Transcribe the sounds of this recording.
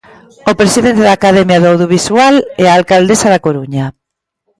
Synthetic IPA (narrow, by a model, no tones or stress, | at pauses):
opɾesiðent̪eðaːkaðɛmjaðoawðjoβiswalɛaːlkald̪esaðakoɾuɲa